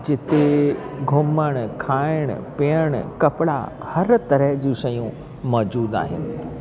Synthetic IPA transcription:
d͡ʑɪt̪eɡʱʊməɽ̃kʰaːɪɽ̃ʊ̰peəɽ̃kɐpɪɽa̰ | hɐɾt̪ɐɾəɦd͡ʑĩːʃɐjũ | mɔːd͡ʑuːd̪a̰ːɦɪ̰nɪ̆

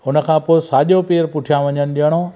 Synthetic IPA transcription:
ʊnə̆kʰãːpoːɪsaːʄopeːɾpʊʈʰijãʋɐɲənɪ̆ɗijəɽ̃oː

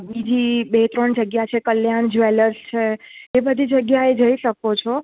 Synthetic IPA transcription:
bid͡ʒibet̪ɾəɳd͡ʒəɡjat͡ʃʰekəljand͡ʒʋeləɾst͡ʃʰeebəd̪ʱid͡ʒəɡjaed͡ʒəiʃəkot͡ʃʰɔ

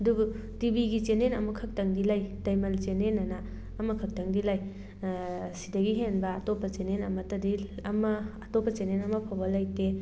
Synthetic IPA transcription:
ɐdubu | tibiɡit͡ʃenenɐmukʰɐk̚tɐŋdilajdɐjmɐlt͡ʃenenːɐnaː | mɐkʰɐk̚tɐŋdilaj | sidɐɡiɦenbɐːtopːɐt͡ʃenenɐmɐtɐdiɐmɐː | topːɐt͡ʃenenɐmɐpʰawbɐlɐjte

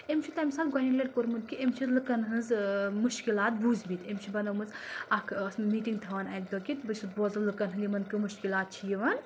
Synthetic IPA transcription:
emt͡ʃʰit̪ɐmsaːlɡɐnʲilʲeʈ̚koɾmɨnkiemt͡ʃʰizlɨkɐnɦɨnzmuʃkilaːt̪̚buːzbit̪emʲt͡ʃʰibɐnɐmɨzɐkʰɐsmiːʈiŋɡt̪ʰɐʋɐnɐkd̪okit̪bɨt͡ʃʰit̪boːzɐlɨkɐnɦɨnd̪ʲimɐnkɨmuʃkilaːt̪̚t͡ʃʰijiʋɐn

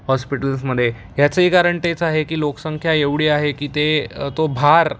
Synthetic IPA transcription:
hɔspiʈəlsməd̪ʱːje | jat͡səikaɾəɳʈ̪et͡saɦekiːloksəŋkʰjaeʋɽiːaɦekiːt̪et̪obʱaɾ

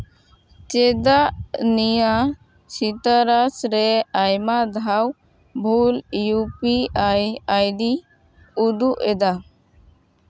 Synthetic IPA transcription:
t͡ʃɛd̪aʔnija | sit̪aɾasɾɛajmad̪ʱaw | bʱuljupiajajd̪i | ud̪uʔɛd̪a

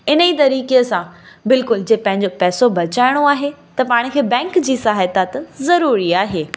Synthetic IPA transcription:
ɪnəit̪̬ɐɾiːkesãbɪlkʊld͡ʑeːpɐ̃ɦɪ̃ɲ̆d͡ʑopɛːsobɐt͡ɕaːɪɽ̃oaːɦet̪ɐpaːɽ̃̆kʰeːbɛ̃ːŋkd͡ʑiːsaːɦɪt̪at̪zɐɾuːɾiaːɦeː

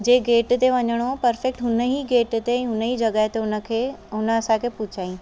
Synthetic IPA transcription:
d͡ʑeːɡeːʈt̪eʋɐɲəɽ̃opɐɾfek̚ʈɦʊnəɦiɡeːʈt̪eɛ̃ɦʊnəɦiːd͡ʑɐɡaːɪt̪eʊnəkʰeɦʊnə̆ɐsãkʰeːpʊt͡ɕʰaːĩ

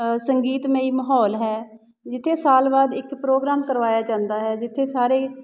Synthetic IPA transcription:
səŋɡiːt̪mẽːiːməɦɔːlɦɛː | d͡ʒɪt̪ʰːeːsaːlbaːd̪ɪkpɾoːɡɾaːmkəɾʋaːjaːd͡ʒãːnd̪aːɦɛːd͡ʒɪt̪ʰːeːsaːɾeː

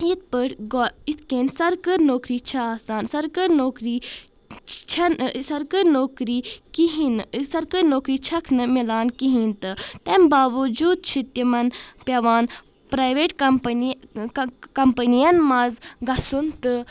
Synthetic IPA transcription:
it̪̚pəʈɡɔit̪ʰkeːnsɐɾkɐɾnoːkɾiːt͡ʃʰɐaːsaːnsɐɾkɐɾnoːkɾiː | t͡ʃʰɐnsɐɾkɐɾnoːkɾiːkiɦinsɐɾkɐɾnoːkɾiːt͡ʃʰɐkʰnɨmilaːnkiɦĩnt̪ɨt̪embaːʋud͡ʒuːd̪̚t͡ʃʰit̪jɐmɐnpjɐʋaːn | pɾaːjʋeːʈkɐmpn | kɐmpənijɐnmazɡɐsunt̪ɨ

